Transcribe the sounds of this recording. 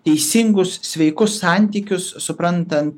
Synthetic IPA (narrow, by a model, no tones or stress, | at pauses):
t̪ʲɛɪsʲɪŋɡʊssʲʋʲɛɪkʊsːɑːˑnʲt̪ʲiːkʲʊsːʊpɾɐnt̪ɐnt̪